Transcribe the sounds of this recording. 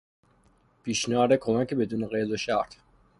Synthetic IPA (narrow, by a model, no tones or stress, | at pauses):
b̥iʃnaɾɛkʰɔwakibɛd̪unɛqʼɛːd̪ɔʃaɾt̪ʰ